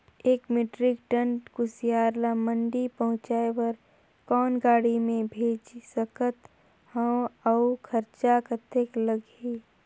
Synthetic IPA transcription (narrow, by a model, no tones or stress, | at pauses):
eːkmɪʈɾɪkʈə̃ɳʈkʊsijaːɾlamə̃ɳɖipəɦʊ̃t͡ʃaːewəɾ | kɔːnɡaːɽimẽbʱeːd͡ʒsəkət̪ | hə̃əukʰəɾt͡ʃakət̪eːkləɡ | i